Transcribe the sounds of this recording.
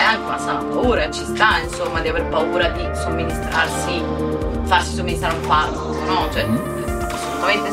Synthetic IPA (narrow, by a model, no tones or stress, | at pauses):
ɛaŋk̟eunasanapauːɾat͡ʃist̪ainsomːad̪iaverpauːɾad̪isomːinist̪ɾarsi | faɾsi̥somːinist̪ɾaɾumparko | nɔd͡ʒɛ | asːolut̪ament̪e